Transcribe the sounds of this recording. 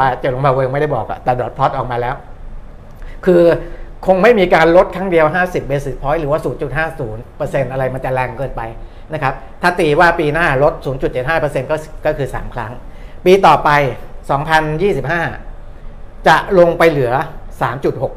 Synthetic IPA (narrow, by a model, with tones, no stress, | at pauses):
waː˥˩t͡ɕa˨˩lo˧ŋmʰbaː˧weː˧ma˥˩jda˥˩jbɔː˨˩k̚ʔa̰˨˩t̪ɛː˨˩dɔː˨˩t̪̚pʰɔ˦˥t̪ʔɔː˨˩maː˧lɛː˦˥w | kʰɯː˧kʰo˧ŋma˥˩jmiː˧kaː˧nlo˦˥t̪̚kʰɾa˦˥ŋdi˧əwɦaː˥˩si˨˩p̚beː˧siː˨˩t̚pʰɔː˦˥jɾɯː˩˦waː˥˩suː˩˦nt͡ɕu˨˩t̪̚ɦaː˥˩suː˩˦npəː˧se˧nʔa˧ɾa˧jma˧nt͡ɕa˨˩lɛ˧˩ŋkɤː˧npa˧j | na˦˥kʰa˦˥p̚t̪ʰaː˥˩t̪iː˧waː˥˩piː˧naː˥˩lo˦˥t̪̚suː˩˦nt͡ɕu˨˩t̪̚t͡ɕe˨˩t̪̚haː˥˩pɤː˧se˧nkɔː˥˩˨kɔː˥˩kʰɯː˧sa̰ː˩˦mkʰɾa˦˥ŋpiː˧t̪ɔː˨˩pa˧jsɔː˩˦ŋpʰa˧njiː˥˩si˨˩p̚haː˥˩ | t͡ɕa˨˩ʔlo˧ŋpa˧jlɯ˩˦ɐsaː˩˦mt͡ɕu˨˩t̪̚ho˨˩k̚